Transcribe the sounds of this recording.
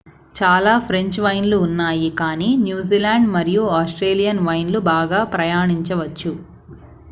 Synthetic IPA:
t͡ʃaːlaːpʰɾe̞ɲt͡ʃʋɐjnluːnːaːjikaːniːnjuːziːlaːɳɖmɐɾijuaːsʈɾeːlijɐnʋɐjnlubaːɡaːpɾɐjaːɳiɲt͡ʃɐʋɐt͡ʃːu

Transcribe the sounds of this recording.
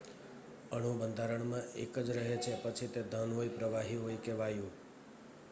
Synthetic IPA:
əɳ̤̃ũbənd̪ʱaɾəɳmãḛkəd͡ʒɾəɦet͡ʃʰepət͡ʃʰit̪ed̪ʱənɦojpɾəʋaɦiɦoikeʋajũ

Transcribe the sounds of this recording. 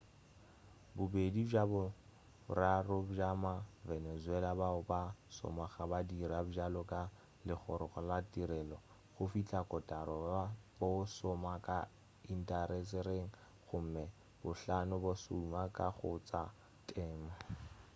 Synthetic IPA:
bʊbedid͡ʒabʊ | rarʊbd͡ʒamavɛnɛzwɛlabaʊbasɔ̰maχabadirabʊd͡ʒalɔkʼa | lɪχɔɾɔχɔlatʼiɾɛlɔ | χʊfit͡ɬʼakʼɔtʼaɾɔbosɔmakʼa | in̩tʼaɾɛsɛɾeŋ̩ | χʊm̩mɛ | bʊɬanʊbosumakʼaχʊt͡sʼa | tʼɛːma

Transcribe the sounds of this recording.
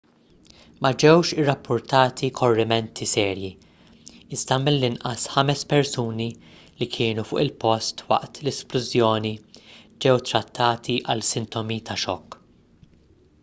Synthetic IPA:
mɐd͡ʒɛwʃɪrːɐpːʊɾt̪ɐːt̪ʰikʰɔrːɪmɛnt̪ʰisɛːɾji | ɪzd̪ɐmɪlːɪnʔɐsħɐmɛspɛɾsuːni | likʰɪːnufʊ̰ːʔɪlpɔst̪wɐ̰ʔt̪lɛsplʊzjɔːnid͡ʒɛwt̪ɾɐt̪ːɐːt̪ʰiʔɐlsɪnt̪ɔmit̪ɐʃɔ̰kː

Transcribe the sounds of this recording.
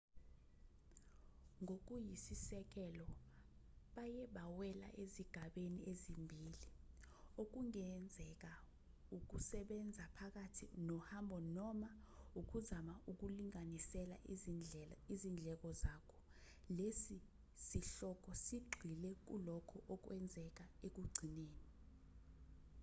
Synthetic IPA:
ŋʱok̬ujisisɛk̬ɛlɔ | ɓajɛɓawɛla̰ʔeziɡ̥ʱaɓeniezimbʱiːli | ok̬uŋɛnd͡zʱɛk̬a | uk̬usɛɓɛnd͡zʱapʰak̬atʰinɔhambʱɔnɔma | uk̬uzamaʔuk̬uliŋanisɛla | izind͡ɮʱɛk̬ɔzakʰɔ̥ | lesi | siɬɔk̬ʼɔsiɡ͡ǃʱilɛk̬ṵlɔkʰɔʔɔk̬wɛnd͡zʱɛk̬aek̬uɡ͡ǀʱineːni

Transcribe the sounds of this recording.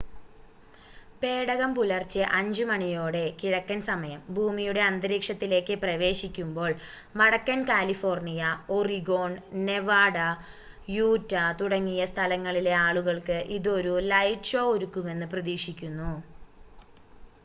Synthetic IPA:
pe̞ːɽɐɣɐmpulɐrt͡ɕːɨʔɐɲd͡ʑɨmɐɳijo̞ːɽe̞kiɻɐkːɐnsɐmɐjɐmbʱuːmijuɽe̞ɐnd̪ɐɾiːkʂɐt̪ːile̞ːkːɨprɐʋe̞ːʂikʲːumbo̞ːɭ | mɐɽɐkːɐnkaːlifo̞ːrnijɐoriɡo̞ːɳne̞ʋaːɽɐ | juːtːɐt̪uɽɐŋːijɐst̪ʰɐlɐŋːɐɭile̞aːɭuɣɐɭkɨʔiðo̞ɾulɐjʈʂo̞ːoɾukːume̞nːɨprɐðiːʂikʲːunːu

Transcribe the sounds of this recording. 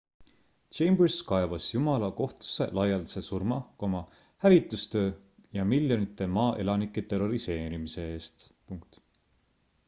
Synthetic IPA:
t͡ʃejmbrskɑevɑsjumɑlɑko̞ht̪u̥sːe̞̰lɑjɑld̪se̞surmɑko̞mɑ | hævit̪ːˑust̪ø̞ː | jɑmiljo̞nit̪ːˑe̞mɑːʔe̞̰lɑnikːˑe̞t̪e̞ro̞ɾise̞ːɾimise̞eːst̪puŋk̚t̪

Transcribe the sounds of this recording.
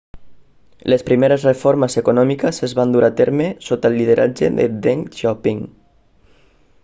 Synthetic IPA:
lespɾimeɾəzrefoɾməsekunɔmikəsezβand̪uɾat̪eɾmesot̪əlːið̞eɾʔa̰d͡ʒḛðḛd̪eŋʃɔpiŋ

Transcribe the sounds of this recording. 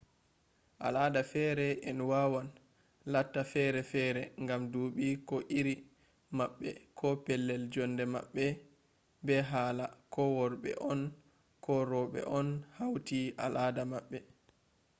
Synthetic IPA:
ʔa̰laːdafɛɾɛʔɛnwawan | latːafɛɾɛfɛːɾɛŋɡamduːɓikɔʔiɾi | maɓːɛ̰kɔpɛlːɛld͡ʒɔndɛma̰ɓːɛ | bɛɦaːlakɔwɔɾɓɛ̰ʔɔn | kʰɔɾɔɓɛ̰ʔɔnhawtiʔa̰lʔadamaɓːɛ

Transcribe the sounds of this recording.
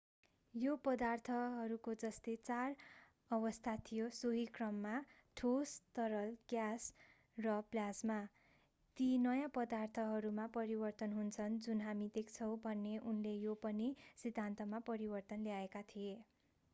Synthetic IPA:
jopʌd̪art̪ʰʌɦʌɾukod͡zʌst̪et͡sar | ʌβʌst̪ʰat̪ʰijosoɦikrʌmːa | ʈʰost̪ʌɾʌlɡjas | rʌblasma | t̪inʌjãpʌd̪art̪ʰʌɦʌɾumapʌɾibʌrt̪ʌnɦunt͡sʰʌnd͡zunɦamid̪ek̚t͡sʰʌw̃bʱʌnːeʔunlejopʌnisid̪ʱant̪ʌmapʌɾibʌrt̪ʌnlejaekat̪ʰie

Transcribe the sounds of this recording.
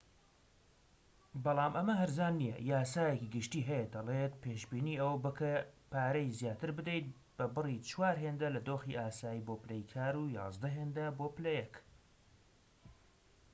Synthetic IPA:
bɑlˠɑːmʔɐmɐɦɐɾzaːnːijɐ̰jaːsaːjekiɡɨʃt̪iːɦɛjed̪ɐlet̪̚pʰeːʃbiːniːɐwbɨkʰɐpaːɾɐjzjaːt̪ʰɨɾbɨd̪ejt̪̚ | b̥ɐbɨrit͡ʃwaːɾɦeːnd̪ɐlɐd̪oːxiʔaːsaːjiːboːplejkʰaːɾuːjɑ̰ːzd̪ɐɦeːnd̪ɐboːplɐjɛk

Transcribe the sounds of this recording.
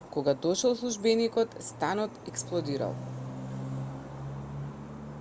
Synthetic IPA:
kɔɡad̪ɔʃɛlˠslˠuʒbɛnikɔt̪st̪anɔt̪ɛksplˠɔd̪iɾa̰lˠ

